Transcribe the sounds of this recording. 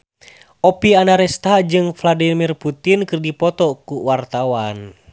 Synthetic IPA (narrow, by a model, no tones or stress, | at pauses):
ʔɔpianaɾɛst̪ad͡ʒɨŋfladimirput̪inkɨrdipɔt̪ɔkuwart̪awan